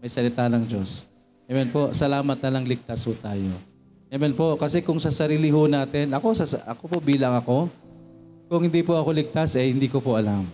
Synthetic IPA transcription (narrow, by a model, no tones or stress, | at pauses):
mɐjsɐlɪt̪anɐŋd͡ʒo̞s | ɐmɛnpo̞sɐlaːmɐt̪̚nɐlɐŋlɪk̚t̪ashʊt̪aːjo̞ | ɐmɛnpo̞kɐsɛkʊŋsɐsɐɾiːlɪɦʊnaːt̪ɛnʔɐko̞sɐsɐ̰kopo̞biːlɐŋɐko̞ | kʊŋhɪnd̪iːpoʔɐko̞lɪk̚t̪asʔɐjhɪnd̪iːkopoʔɐlam